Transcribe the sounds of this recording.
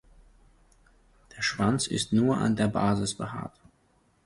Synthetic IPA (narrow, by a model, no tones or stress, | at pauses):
d̥eːɐʃv̥ant͡sɪ̰stnuːɐʔa̰ndeːɐba̰ːzɪsb̥əha̰ːɐt